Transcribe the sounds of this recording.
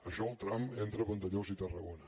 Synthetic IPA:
əʃɔəlˠt̪ɾament̪ɾəβənt̪əʎozit̪ərəɣonə

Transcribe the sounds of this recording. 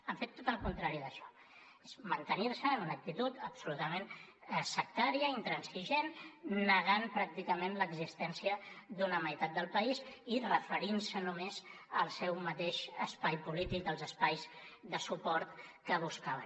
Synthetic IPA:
əɱfet̪ːot̪əlˠkunt̪ɾaɾiðəʃɔ̥ | ezmənt̪əniɾsənunək̚t̪it̪ut̪əpsulut̪əmen | əsək̚t̪aɾiəint̪ɾənsiʒenːəɣ̞anpɾak̚t̪ikəmenləɡzist̪ɛnsiəd̪unəməjt̪at̪̚d̪əlˠpəizirəfəɾinsənumez | əlˠsɛwmət̪eʃəspajpulit̪ik̚d̪əlˠzəspajzðəsupɔɾt̪kəβ̞uskaβə̰

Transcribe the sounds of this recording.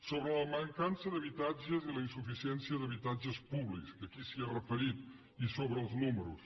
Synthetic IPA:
soβɾələməŋkansəðəβit̪ad͡ʒəziləinsufisiɛnsiəðəβit̪ad͡ʒəspuβlikskəkisiərəfəɾit̪̚ | isoβɾəːlˠznuməɾṵs

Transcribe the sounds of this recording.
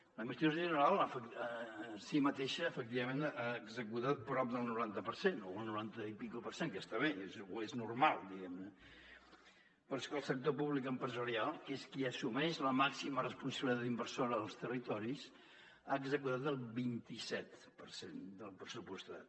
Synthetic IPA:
ləimbəst̪joʒənəɾalˠafəkəsimət̪eʃəːfək̚t̪iβəmẽnaəɡzəkut̪at̪̚pɾɔp̚d̪əlˠnuɾant̪əpəɾsenoəlˠnuɾant̪əipikupəɾseŋkəst̪aβeezueznurmalˠd̪iɣɛmnə | pəɾskəlˠsək̚t̪opuβlikəmpɾəzəɾialˠeskiəsumɛʃləmaksimərəspunsəβliðad̪imbərsoɾəðəlˠst̪ərit̪ɔɾis | aːɡzəkut̪at̪əlˠβint̪isɛt̪ | pəɾsend̪əlˠpɾəsupust̪a̰t̪

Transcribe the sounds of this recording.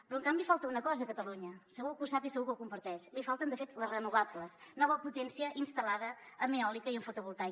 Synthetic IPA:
pɾɔŋkambifalˠt̪əunəkɔzəkət̪əluɲəsəɣukəuwsapisəɣukəwkumpəɾt̪ɛʃlifalˠt̪ənd̪əfet̪ləzrənuɣapləsnɔβəput̪ɛnsiəʔinst̪əlaðəː | meɔlikəiəɱfut̪uβulˠt̪aj

